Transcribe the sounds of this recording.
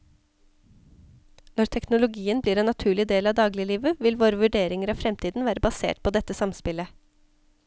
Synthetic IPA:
nɔɾʈ̪ʰɛknʊlʊɡiːənbliːɾɛːnɑt̪ʰʉːɭɪd̪eːlɑːʋd̪ɑːɡlɪəliːʋəʋɪlʋoːɾəʋʉɖeːɾɪŋəɾɑːʋfɾɛmt̪iːd̪n̩ʋæːɾəbɑsḛːʈ̚pʰoːd̪ɛt̪ːəsɑmspɪlə

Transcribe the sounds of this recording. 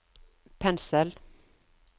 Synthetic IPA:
pʰɛnsəl

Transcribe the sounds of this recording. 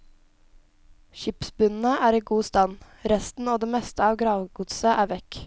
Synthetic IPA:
ʃɪpsbʉnn̩əʔæːɾiːɡuːst̪ɑn | ɾɛst̪n̩oːd̪eːmɛst̪əɑːʋɡɾɑːʋɡʊt̪səʔæːʋɛk

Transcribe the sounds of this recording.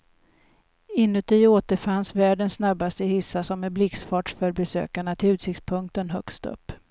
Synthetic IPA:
ɪnːɵt̪ʰioːt̪əɾfansvæːɖənsːnabːast̪əɪhɪsːasɔmːɛblɪksfɑːʈʂfœɾbɛsø̰ːkaɳat̪ʰɪlʉt̪sɪkt̪spʰɵŋk̚t̪ənɦœ̰kst̪ɵ̰pː

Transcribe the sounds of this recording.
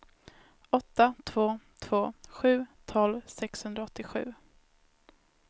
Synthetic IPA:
ɔt̪ːat̪ʰv̥oːt̪ʰvoːɧʉ̟ːt̪ʰɔlvsɛkshɵnd̪ɾaɔt̪ːɪɧʉ̟ː

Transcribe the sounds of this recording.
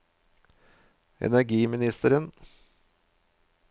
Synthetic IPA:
ɛ̰næɾɡiːmɪnɪst̪əɾən

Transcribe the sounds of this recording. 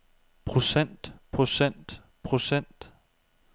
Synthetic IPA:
pʰʁo̝sen̰d̥pʰʁo̝sen̰d̥ | pʰʁo̝sen̰d̥

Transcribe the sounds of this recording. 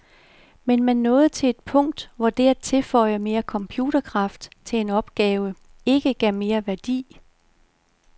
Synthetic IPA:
menmenːɔ̽ːð̞̩ˠt͡sʰe̝le̝d̥̚pʰɔ̽ŋ̰d̥ʋɒd̥æɐt͡sʰe̝lfɒ̽ɪɐme̝ːɐkʰɒ̽mpʰjuːd̥ɐkʰʁɑ̈fd̥t͡sʰe̝e̝nɒ̽b̥ɡ̥ɛːʊə | e̝ɡ̥əɡ̥æɐ̰me̝ːɐʋæɐd̥ḭː

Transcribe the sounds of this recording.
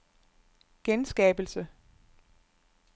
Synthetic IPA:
ɡ̥ensɡ̥ɛ̰ːb̥l̩sə

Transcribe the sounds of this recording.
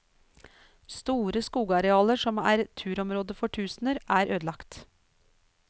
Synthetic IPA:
st̪uːɾəskuːɡɑɾɛɑːləʂɔmæ̰ːɾt̪ʰʉːɾɔmɾoːd̪əfɔʈʰʉːsn̩əɾʔæːɾʔøːd̪lɑkt̪

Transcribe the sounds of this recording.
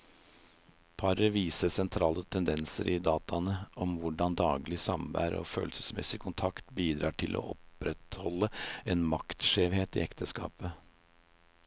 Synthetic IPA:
pʰɑɾəʋiːsəsɛnt̪ʰɾɑːlət̪ʰɛnd̪ɛnsəɾʔɪd̪ɑːt̪ʰɑnəʔɔmʋʊɖɑnd̪ɑːɡlɪsɑmʋæ̰ːɾ̰ɔ̰føːlsə̥smɛ̰sɪkʰʊnt̪ʰɑkt̪biːd̪ɾɑːʈʰɪlʔo̰ːʔɔpɾɛt̪hɔlːəeːnmɑkt̪ʂeːʋheːt̪ḭːɛkt̪ʰəskɑ̰ːpə

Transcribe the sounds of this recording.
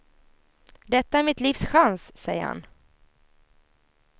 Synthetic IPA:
d̪ɛt̪ːaæɾmɪt̪liːfsɧanssɛjːə̰ɾha̰n

